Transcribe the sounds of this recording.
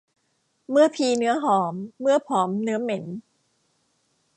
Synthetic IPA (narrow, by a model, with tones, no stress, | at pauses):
mɯ˥˩ɐpʰiː˧nɯ˦˥ɐɦɔː˩˦mːɯ˥˩ɐpʰɔː˩˦mnɯ˦˥ɐme˩˦n